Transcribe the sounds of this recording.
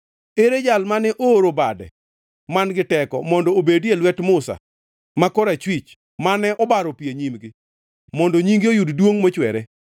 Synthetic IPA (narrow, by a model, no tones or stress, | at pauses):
eɾed͡ʒalmanɛʔoːɾobadɛ̰ | manɡɪtɛkɔ̰mɔndɔobedelwɛtmʊsa̰ | makɔɾat͡ʃwit͡ʃ | manɛʔɔbaɾɔpieɲimɡɪ | mɔndoɲiŋɡɪojuddwoŋmot͡ʃwɛɾɛ